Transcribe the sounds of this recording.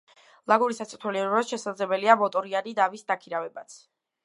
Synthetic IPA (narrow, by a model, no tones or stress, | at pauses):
lˠaɡuɾisat̪sʰʼit̪ʰɛliɛɾɾasʃɛsad̪zlɛbɛliamɔt̪ʼɔɾianid̪avisd̪akʰiɾavɛbat̪sʰ